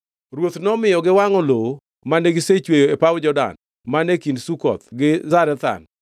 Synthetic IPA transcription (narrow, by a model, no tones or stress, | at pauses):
ɾwot̪nɔmɪjɔɡɪwaŋɔlo | maneɡɪset͡ʃwejoepawd͡ʒɔda̰n | manekindsukɔ̰t̪ɡɪzaɾɛt̪a̰n